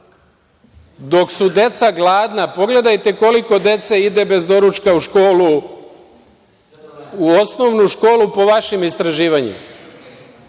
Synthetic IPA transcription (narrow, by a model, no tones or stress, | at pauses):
d̪o̞ksud̪e̞t̪saɡlˠaːd̪napo̞ɡle̞d̪ajt̪e̞ko̞liko̞d̪e̞t̪seid̪e̞be̞zd̪o̞ɾut͡ʃkauʃkolu | uosno̞ʋnuʃko̞ːlupo̞ʋaʃimist̪ɾaʒiːʋaɲḭma